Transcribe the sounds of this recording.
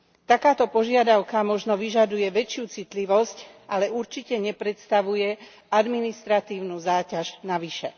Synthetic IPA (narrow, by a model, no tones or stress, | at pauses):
t̪akaːt̪ɔpɔʒɪad̪aʊkamɔʒnɔʋiʒad̪ujɛʋɛt͡ʃɪuːt͡sit̪liʋɔsc | alɛuɾt͡ʃicɛɲɛpɾɛt̪st̪aʋujɛ | ad̪minist̪ɾat̪iːʊnuzaːcaʒnaʋiʃɛ